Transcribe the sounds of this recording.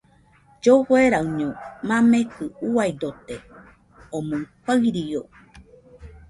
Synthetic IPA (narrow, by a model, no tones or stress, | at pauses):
d͡ʒohweɾauɲõmãmekɯuaid̪ot̪e | omõŋpaɾijo